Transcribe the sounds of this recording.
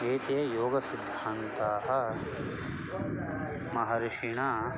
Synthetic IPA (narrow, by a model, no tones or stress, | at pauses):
eːt̪eːjoːɡɐsid̪ʱːaːnt̪aːɦɐ | mɐɦɐɾɪʃiɳaː